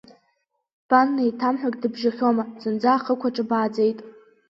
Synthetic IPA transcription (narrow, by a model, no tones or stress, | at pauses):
b̥anːaitʰamħʷᶣakʲʼdɨbʒaχʲomazɨnd͡zaːχəkʷʰaʈ͡ʂʼɨbaːd͡ze̞jtʼ